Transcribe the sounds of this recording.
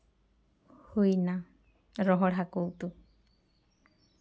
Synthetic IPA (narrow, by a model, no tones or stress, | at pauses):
hujna | ɾɔɦɔɽɦakowt̪u